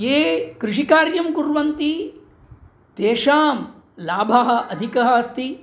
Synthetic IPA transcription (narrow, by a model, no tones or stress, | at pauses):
eːkɾɪʂikaːɾjɐmkuɾʋɐnt̪i | t̪eːʂaːm | laːbʱaɦɐ̆ʔɐd̪ʱikɐɦɐ̆ɐst̪i